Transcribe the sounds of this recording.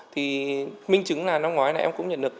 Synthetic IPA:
t̪ʰi˨˩mï˧ŋ̟t͡ɕɨ˨˦ŋlaː˨˩na˧mŋ͡mŋwaː˨˦jlaː˨˩ʔɛ˧mkʊ̰˧˥ŋ͡mɲə̰˧˩nɗɨ˨˩ək̚

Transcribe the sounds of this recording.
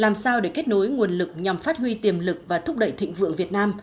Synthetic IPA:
laː˨˩msaː˧wɗe˧˩ke˦˥t̚no˨˦jŋu˨˩ənlɨ˨˩k̚ɲa˨˩mfaː˦˥t̚hwi˧t̪i˨˩əmlɨ˨˩k̚vaː˨˩t̪ʰʊ˦˥k͡p̚ɗə̰˧˨jt̪ʰḭ̈˧˨ŋ̟vɨ̰˧˨əŋvi˨˩ət̚naː˧m

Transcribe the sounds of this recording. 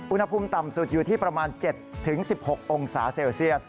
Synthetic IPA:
ʔu˧nha˧pʰuː˧mt̪a˨˩msu˨˩juː˨˩t̪ʰiː˥˩pɾa˧maː˧nt͡ɕe˨˩t̪ʰːɯ˩˦ŋsi˨˩p̚ho˨˩k̚ʔo˧ŋsaː˩˦seː˧wsi˥˩əs̚

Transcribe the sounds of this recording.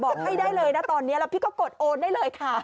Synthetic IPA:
bɔː˨˩k̚ha˥˩jdaː˥˩jlɤː˧jna˦˥˩t̪ɔː˧nːi˦˥ɐɾa˧wpʰi˥˩kɔː˥˩ko˨˩t̪̚ʔoː˧nda˥˩jlɤː˧jkʰa˥˩

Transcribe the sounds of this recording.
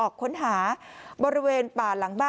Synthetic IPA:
ʔɔː˨˩kʰːo˨˩˦nɦaː˩˦bɔː˧ɾi˧˦weː˧npaː˨˩la˩˦ŋbaː˥

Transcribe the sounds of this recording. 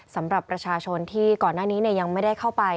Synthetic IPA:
sa˩˦mɾa˨˩pːɾa˧t͡ɕʰaː˧t͡ɕʰo˧nt̪ʰiː˥˩kɔː˨˩nːaː˥˩niː˦˥ni˥˩ja˧ŋma˥˩jda˥˩jkʰa˥˩wpa˧j

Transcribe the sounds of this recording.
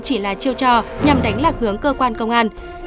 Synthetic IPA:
t͡ɕi˧˩laː˨˩t͡ɕi˧əwt͡ɕɔ˧˩ɲa˨˩mɗa˨˦jŋ̟laː˨˩k̚hɨ˨˦əŋkəː˧kwaː˧nkə˧wŋ͡mʔaː˧n

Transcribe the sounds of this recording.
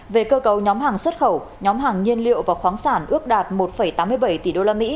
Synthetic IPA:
ve˨˩kəː˧kə˨˩wɲɔ˨˦mɦaː˨˩ŋswə˦˥t̚xə˧˩w | ɲɔ˨˦mɦaː˨˩ŋːi˧ənlḭ˧˨əwvaː˨˩wxwaː˨˦ŋsaː˧˩nʔɨ˦˥ək̚ɗaː˨˩t̚mo˨˩t̚fə˧˩jt̪aː˨˦mːɨ˧əjɓə˧˩jt̪i˧˩ɗo˧laː˧mḭ˧˥

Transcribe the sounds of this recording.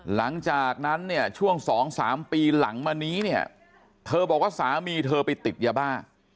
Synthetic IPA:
la˩˦ŋt͡ɕaː˨˩k̚na˦˥nːi˥˩ɐt͡ɕʰu˥˩əŋsɔː˩˦ŋsa̰ː˩˦mpiː˧la˩˦ŋmaː˧niː˦˥ni˥˩ɐ | t̪ʰɤː˧bɔː˨˩k̚waː˥˩saː˩˦miː˧t̪ʰɤː˧pa˧jt̪i˨˩t̪̚ja˧baː˥˩ŋ

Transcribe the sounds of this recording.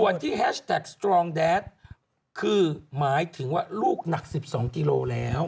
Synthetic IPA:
u˨˩ənt̪ʰiː˥˩ɦɛː˦˥ɕt̪ʰɛ˨˩k̚st̪ɾɔː˧ŋdɛː˦˥t̪̚ | kʰɯː˧maː˩˦jt̪ʰɯ˩˦ŋwaː˥˩luː˥˩k̚na˨˩k̚si˨˩p̚sɔː˩˦ŋkiː˧loː˧lɛː˦˥w

